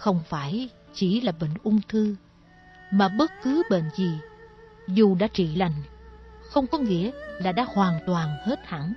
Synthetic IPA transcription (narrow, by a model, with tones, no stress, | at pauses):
xə˧wŋ͡mfaː˧˩j | t͡ɕi˧˩laː˨˩ɓə̰˧˨ŋ̟ʔʊ˧ŋ͡mt̪ʰɨ˧ | maː˨˩ɓə˦˥t̚kɨ˨˦ɓḛ˧˨nzi˨˩ | zu˨˩ɗa̰ː˧˥t͡ɕḭ˧˨la˨˩jŋ̟xə˧wŋ͡mkɔ˨˦ŋḭ˧˥əlaː˨˩ɗa̰ː˧˥hwaː˨˩nt̪waː˨˩nhe˦˥t̚ha̰˧˩n